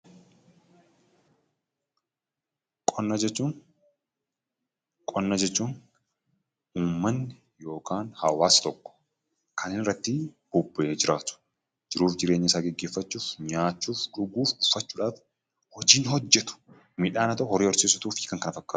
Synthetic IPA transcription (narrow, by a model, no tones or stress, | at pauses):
kʼɔnːɐd͡ʒɛt͡ʃːuːn | kʼɔnːɐd͡ʒɛt͡ʃːuːn | uːmːɐnːɪ | jo̞ːkaːnhɐwaːst̪ɔkːɔ̥ | kʰɐnenɪrːɐt̪ːɪb̥ʊbːʔeːd͡ʒɪɾaːt̪ʊ̥ | d͡ʒɪɾuːfd͡ʒɪɾeːɲːɐɪsaːɡɛɡːe̞ːfːɐt͡ʃːuːfɲaːt͡ʃːuːfᶑʊɡuːfʊfːɐt͡ʃːuːᶑaːf | hɔd͡ʒiːnhɔd͡ʒːɛt̪ʊ̥ | mɪᶑaːnɐt̪ɐʔhɔɾiːɔɾseːsʊt̪uːfiːkɐŋkɐnɐfɐkːaː